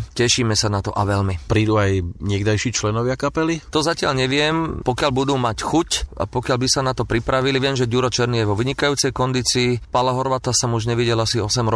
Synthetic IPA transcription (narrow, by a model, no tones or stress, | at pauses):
cɛʃiːmɛsanat̪ɔʔaʋɛlmipɾiːd̪uajɲɪɛɡd̪ajʃiːt͡ʃlɛnɔʋɪakapɛlit̪ɔzacɪaʎɲɛʋɪɛmpɔkɪaʎbud̪uːmacxuca̰pɔkɪalbisanat̪ɔpɾipɾaʋiliʋɪɛmʒɛɟuɾɔt͡ʃɛɾnijɛʋɔʋiɲikajuːt͡sɛjkɔnd̪iːt͡siːpalaɦɔɾʋat̪asamuʒɲɛʋiɟɛlasiɔsɛmɾ